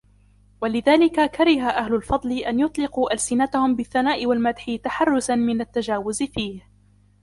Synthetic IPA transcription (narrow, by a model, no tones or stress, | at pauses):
walɪðaːlɪkakaɾˤɪɦaʔahlʊlfɑd̪ˤlɪʔanjʊt̪ˤlɪquːʔalsɪnat̪ahʊmbɪθːanaːʔɪwalmad̪ħɪt̪aħɑrˤːʊsanmɪnat̪ːad͡ʒaːwʊzfiːh